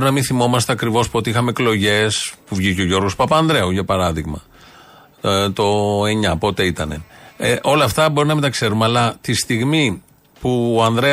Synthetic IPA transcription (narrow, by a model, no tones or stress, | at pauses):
ɾunɐminθimo̞mɐst̪e̞ɐkɾivo̞spuo̞t̪iixɐmeːklo̞ʝe̞spuvʝiceoʝo̞ɾɣospɐpɐːnðɾeuʝɐpɐɾɐðiɣmɐ | t̪o̞eɲɐpo̞t̪e̞it̪ɐne̞eʔo̞lɐːft̪ɐbo̞ɾinɐmint̪ɐkse̞ɾumeɐlɐt̪ist̪iɣmi | puoɐnðɾe